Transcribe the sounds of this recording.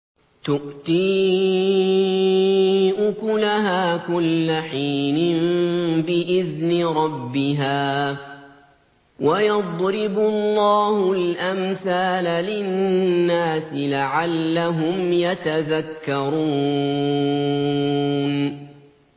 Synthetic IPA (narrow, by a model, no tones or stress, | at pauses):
t̪ʊʔt̪iː | ʔʊkʊlaɦaːkʊlːaħiːnɪmbɪʔɪðnɪɾˤɑbːɪɦaː | wajɑd̪ˤɾɪbʊllːɑːhʊlʔamθaːlalɪnnːaːsɪlaʕalːaɦʊmjat̪aðakːɑɾˤuː | n